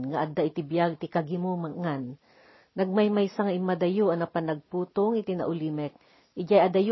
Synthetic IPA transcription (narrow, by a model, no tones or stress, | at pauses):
ŋaʔad̪aʔɪt̪ɪbjaɡ̚t̪ɪkaɡɪmomaŋanː | ɐɡ̚majmajsaŋɐɪmad̪ajoʔɐnɐpanɐɡ̚puːt̪oŋɪt̪ɪna̰ʔʊlimɛk̚ | ʔɪd͡ʒajʔad̪ɐj